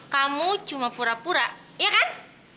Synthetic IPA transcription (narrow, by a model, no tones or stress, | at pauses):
kamud̥ʒ̥ṳmapuɾapuɾa | jakan